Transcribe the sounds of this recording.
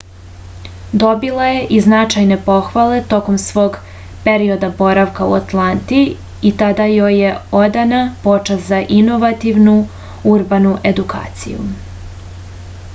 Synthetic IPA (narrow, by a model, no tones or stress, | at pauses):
d̪o̞bilˠaje̞ʔiznat͡ʃajne̞po̞xʋale̞t̪o̞ko̞msʋo̞ːɡ | pe̞ɾio̞d̪abo̞ɾaʋkaṵat̪lˠant̪iː | t̪ad̪ajoje̞o̞d̪anapo̞t͡ʃaszaʔino̞ʋat̪iʋnu | uɾbanuʔe̞d̪ukʰa̰ːt̪sḭjṵ